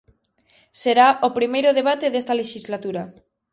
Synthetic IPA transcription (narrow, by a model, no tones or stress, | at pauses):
seɾaʔopɾimejɾʊðeβat̪eðest̪aleʃizlat̪uɾa